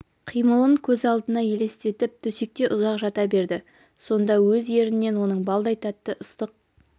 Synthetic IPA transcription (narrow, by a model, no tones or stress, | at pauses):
qʰijməlˠəɴkʲʰɵzɑlˠd̪ənɑje̞le̞st̪e̞t̪ɪp̚t̪ʰʏsek̚t̪e̞ʔʊzɑqʒɑt̪ɑbe̞ɾd̪ɪ | so̞nd̪ɑwɵzje̞ɾɪnːe̞nwo̞nəɴbɑlˠd̪ɑjt̪ɑt̪ːəʔəst̪əq̚